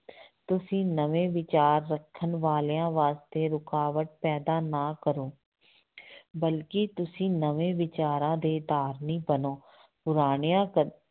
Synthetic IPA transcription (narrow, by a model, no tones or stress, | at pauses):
t̪ʊsĩːnəʋẽːʋɪt͡ʃaːɾːəkʰːənʋaːleːãːʋaːst̪eːɾʊkaːʋəʈ̪̚pɛːd̪aːnaːkəɾoː | bəlkɪːt̪ʊsĩːnəʋẽːʋɪt͡ʃaːɾãːd̪eːd̪aːɾnĩːbənoː | pʊɾaːɽ̃ejãːkə